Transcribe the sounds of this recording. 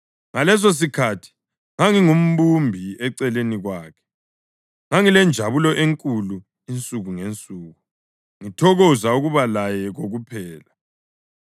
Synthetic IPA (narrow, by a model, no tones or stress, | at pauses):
ŋalɛs̬os̬ikʰatʰi̥ | ŋaŋiŋum̩bumbʱiɛǀɛleniɣwaːkʰɛ̥ | ŋaŋilɛnd͡ʒʱaβulɔʔeŋkʼulu | int͡sʼuɣuŋent͡sʼuːɣu | ŋitʰɔɣɔzauɣuβalajɛɣoɣupʰɛːla